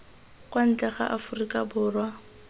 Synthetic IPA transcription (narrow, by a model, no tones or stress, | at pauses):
kʼwan̩t͡ɬʼɛχa̰ʔafʊrikʼabʊːrwa